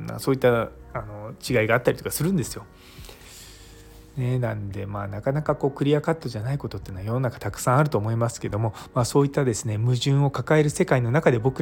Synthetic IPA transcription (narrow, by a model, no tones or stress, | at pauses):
ma̰so̞ːit̪ːaano̞t͡ɕiɡaiɡaːt̪ːaɾʲit̪o̞kasɨɾɯ̟̃nd̪e̞sɨ̥jo̞ | ne̞nãnd̪e̞maːnakanakako̞ːkɯ̟ɾʲiakat̪ːo̞ʑanaiko̞t̪o̞t̪ːeːnoajo̞nonakḁt̪akɯ̟̥sãɰ̃aɾɯ̟t̪o̞ːmo̞imasɨ̥ke̞d̪o̞mo̞maːso̞ːit̪ːad̪e̞sɨne̞mɯ̟ʑɨ̃ɰ̃o̞kakae̞ɾɯ̟se̞kaino̞nakad̪e̞bo̞kɯ